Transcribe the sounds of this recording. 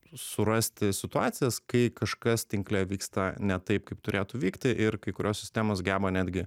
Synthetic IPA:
ssʊɾɐsʲt̪ʲɪsʲɪt̪ʊɑːt̪sʲɪjɛskɐɪkɐʃkɐst̪ʲɪŋklʲɛʋʲiːkst̪ɐnʲɛt̪ɐɪp̚kɐɪpt̪ʊɾʲeːt̪uʋʲiːkt̪ʲɪʔɪɾkɐɪkʊɾʲoːssʲɪsʲt̪ʲæːmoːsɡʲæːbɐnʲæːd̪ʲɡʲɪ

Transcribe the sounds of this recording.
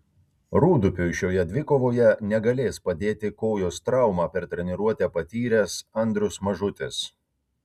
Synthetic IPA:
ɾuːd̪ʊpʲʊʃʲoːjɛd̪ʲʋʲɪkoːʋoːjɛnʲɛɡɐlʲeːspɐd̪ʲeːt̪ʲɪkoːjoːst̪ɾɐˑʊmɑːpʲɛɾt̪ʲɾʲɛnʲɪɾuɔt̪ʲæːpɐt̪ʲiːɾʲɛsɐnʲd̪ʲɾʲʊsmɐʒʊt̪ʲɪs

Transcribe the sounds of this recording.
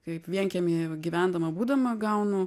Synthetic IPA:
kɐɪpʋʲiɛŋʲkʲɛmiɡʲiʋʲænd̪ɐmɐbuːd̪ɐmɐɡɐʊnʊ

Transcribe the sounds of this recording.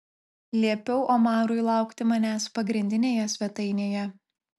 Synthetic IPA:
lʲiɛpʲɛʊʔomɑːɾʊɪlˠɑˑʊkt̪ʲɪmɐnʲæːspɐɡɾʲɪnʲd̪ʲɪnʲeːjɛsʲʋʲɛt̪ɐɪnʲeːjɛ

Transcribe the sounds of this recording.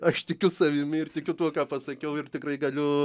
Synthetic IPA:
ɐʃt̪ʲɪkʲʊsɐʋʲɪmʲɪɪrt̪ʲɪkʲʊt̪uɔkɑːpɐsɐkʲɛʊɪrt̪ʲɪkrɐɪɡɐlʲʊ

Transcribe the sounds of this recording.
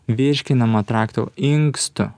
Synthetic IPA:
ʋʲɪʃʲkʲɪnɐmɐt̪ɾɑːkt̪o̰ːɪŋkst̪ʊ̰

